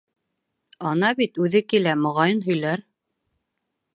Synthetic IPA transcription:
ɑnɑbit̪ʉðɘkilæmŏʁɑjɤnɦɵ̆jlæɾ

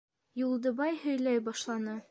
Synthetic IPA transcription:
julˠd̪ɤ̆bɑjhɵ̆jlæjbɒʃlˠɑnɤ

